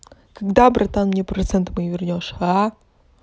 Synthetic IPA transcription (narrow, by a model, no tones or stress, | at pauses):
kɐɡd̪abɾʔɐt̪anmnʲɛpɾɐt̪sɛnt̪ɨmɐjivʲɪrnʲɔʂa